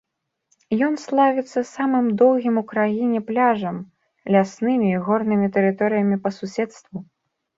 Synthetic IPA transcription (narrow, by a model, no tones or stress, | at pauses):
jɔnslˠavʲɛt̪sːɐsamɨmd̪ɔwɣʲimukɾajinʲɛplʲaʐɐm | lʲasnɨmʲiːɣɔrnɨmʲit̪ɛɾɨt̪ɔɾɨjɐmʲipɐsusʲɛt̪st̪vu